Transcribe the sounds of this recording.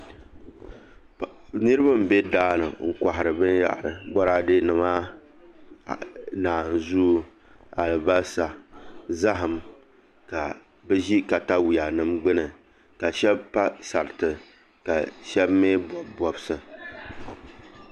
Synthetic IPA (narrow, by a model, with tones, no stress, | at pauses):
nɨ˦ɾɨ˦ba˦m̩˨be˦daː˦nɨ̰˨ŋ̩˨ka˨ɦɪ˨ɾɨ˨bɨ˦ja̰˦˨bɔ˦ɾa˦de˦nɨ˨ma˦˨ | naː˨n˨zu˦ | a˨lɨ˨ba˦sa˨za˦ɦɨ˨m | ka˨ | bɛ˦ʒi˦ka˨ta˦wi˨a˨nɨ˦mɡ͡bɨ˦nɨ˨ | ka˨ʃɛ˦bpa˦sa˨ɾɨ˨tɨ˨ | ka˨ʃɛ˦bmeː˦bbɔ˨bsɨ˨